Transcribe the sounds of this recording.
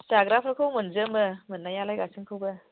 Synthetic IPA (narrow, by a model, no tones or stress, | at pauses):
saɡɾapʰɾakʰowmɯnzɯmɐmɯnːajalajɡasɯŋkʰɯwbɐ